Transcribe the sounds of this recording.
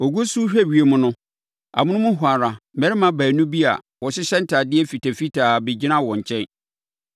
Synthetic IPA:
o˨ɡu˦su˦ɕᶣæ˦˨ɥi˨e˨mʊ̃˦nʊ̃˦ | a̰˨mʊ̃˦nʊ̃˦mʊ̃˦ɦʊ˨a˨ɾa˨mɛ˦ɾɪ˦mã˦bæː˨nũ˦bi˦a̰˨ | wɔ˨ɕɪ˦ɕɛ˦n̩˦tʰa˨dɪ˦ɛ˦fi˨tæ˨fi˦tʰaː˨be˨d͡ʑi˦nã˦wɔ̃˨ɲ̩˨t͡ɕʰɛ̃˦n

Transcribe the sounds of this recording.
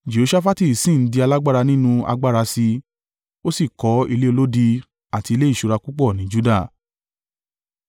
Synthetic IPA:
d͡ʒe˨o˧ʃa˦fa˦ti˦˨sĩ˦˨n̩˦di˧a˧la˦ɡ͡ba˦˨ɾa˧nĩ˦nũ˧a̰˧ɡ͡ba˦ɾa˧si˧ | o˦si˦˨kɔ˨˦i˧le˦o˧lo˦di˧ | a˦˨ti˧le˦i˦˨ʃu˧ɾa˧ku˦k͡pɔ˦˨nĩ˨˦d͡ʒu˦da˦˨

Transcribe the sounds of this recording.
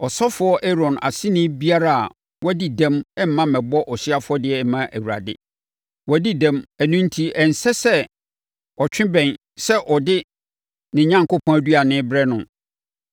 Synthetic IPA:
ɔ˨sɔ˦fʊ˨ɔ˦ʔɛ˦ɾɔ̃˨na̰˨sɪ̃˦nɪ̃˦bi˦a˦ɾa˨a̰˨ | wɔ˦di˦dɛ̃˦mɛ˦m̩˨mːã˦mɛ̃˨bɔ˦ʔɔ˨ɕi˦a˦fʊ˦ɔ˦dɪ˨ɛ˦˨mã˦ʔæ˨wu˨ɾa̰˨dɪ̰˦ | wɔ˨˦di˦dæ̃˦mæ˨nũ˦n̩˦tʰi˦ɛ˨n̩˨sɛ˦sɛ˦ | ɔ˨t͡ɕᶣɪ̃˦bɛ̃˨n | sɛ˦ʔɔ˨dɪ˦ | nɪ̃˨ɲã˦ŋko˦pʰɔ̃˦æ˨˦du˦a˨nɪ̃˦bɾɛ˦nʊ̃˨

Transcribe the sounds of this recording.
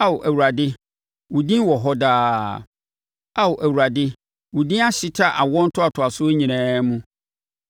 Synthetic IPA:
a˦wʊ˨ʔæ˨wu˨ɾa˨dɪ˦ | wʊ˨dĩ˦wɔ˨ɦɔ˦daː˦ | a˦wʊ˨ʔæ˨wu˨ɾa˨dɪ˦ | wʊ˨dĩ˦a˦ɕɪ˦tʰa˦˨ʔa˨wɔ̃˦n̩˦tʰʊ˦a˨tʰʊ˨a˨sʊ˦ɲĩ˨ɛ̃ː˦mũ˦

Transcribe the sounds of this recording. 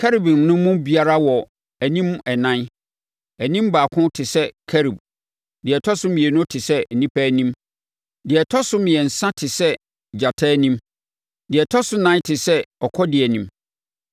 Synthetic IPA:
kʰɛ˦ɾi˨bi˨mnʊ̃˦mʊ̃˦bi˨a˦ɾa˦wɔ˨ | æ˨nĩ˦m˦ɛ˨nã˦n | æ˨nĩ˦m˦baː˨kʰʊ̃˦tʰɪ˨sɛ˦kʰɛ˦ɾi˨b̚ | dɪ˨ɛ˨tʰɔ˦sʊ̃˦mɪ̃˨ɛ˨nʊ̃˦tʰɪ˨sɛ˦˨nĩ˦pʰæ˦nĩ˦m | dɪ˨ɛ˨tʰɔ˦sʊ˦mɪ̃˨ɛ˨n̩˨sã˦tʰɪ˨sɛ˦ | d͡ʑa˨tʰaː˦nĩ˦m | dɪ˨ɛ˨tʰɔ˦sʊ˦nã˦n˦tʰɪ˨sɛ˦ɔ˨kʰɔ˦dɪ˨ɛ˨nĩ˨m

